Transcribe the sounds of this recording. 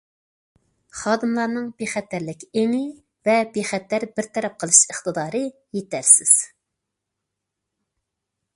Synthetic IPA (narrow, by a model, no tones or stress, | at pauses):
χɑːd̪ɨmlˠɑɾnɨŋb̥eχɛt̪ːæɾlɪkʲeŋɪ | vɛbeχɛt̪ːæɾbɪɾt̪ʰɛɾɛp̚qʰəlˠɨʃəχt̪ɨd̪ɑːɾɨ | jet̪æɾsɪz̥